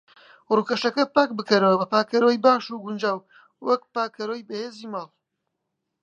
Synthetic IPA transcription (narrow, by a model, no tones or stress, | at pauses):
ruːkɐʃɐkɐpaːk̚bɨkɐɾɐwɐbɐpaːkɐɾojbaːʃuːɡʊnd͡ʒaːw | wɐk̚paːkɐɾoːjbɐheːziːmaːlˠ